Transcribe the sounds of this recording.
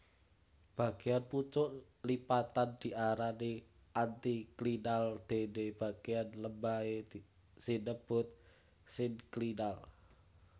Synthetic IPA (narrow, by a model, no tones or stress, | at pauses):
b̥ä̤ɡ̥eanput͡ʃʊʔ | lipat̪and̪̥i̤ʔaɾani | ʔant̪iklinald̪̥e̤neb̥a̤ɡ̥eanləmbaed̪ | sinəb̥ʊ̤t̪̚ | sɪŋklinal